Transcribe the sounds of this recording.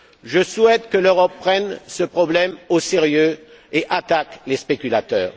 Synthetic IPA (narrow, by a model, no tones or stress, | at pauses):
ʒəswɛt̪kəløʁɔpːχɛnsəpχɔblɛmoseʁjø | eʔat̪aklespekʲylat̪œ̰ːʁ